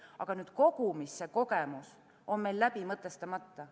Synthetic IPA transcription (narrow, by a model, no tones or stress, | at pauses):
ɑ̰ɡ̥ɑnyːd̪̥ko̞ɡ̥umisːe̞ko̞ɡe̞mus | o̞nme̞jlːæb̥imɤt̪ˑːe̞st̪ɑmɑt̪ːɑ